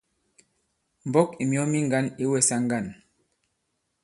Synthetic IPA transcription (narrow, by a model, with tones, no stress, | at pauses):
m̩˨bɔ˦ki˨mjɔ˦mi˦ŋɡa˦ni˦wɛ˨sa˦ŋ˦ɡa˦˨n